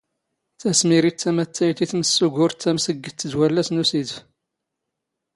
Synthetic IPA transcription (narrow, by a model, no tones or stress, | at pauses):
θæsmiɾit͡s̪ːæmæt̪ːæjt̪iθməsːuɡʊɾt̪ːæmsəɡːət̪ːəd̪wælːæsnusid